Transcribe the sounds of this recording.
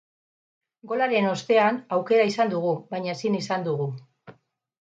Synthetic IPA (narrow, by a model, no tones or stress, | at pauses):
ɡo̞laɾe̞no̞st̪e̞anawke̞ɾaisand̪uɣuβajɲaesinisand̪uɣ̞u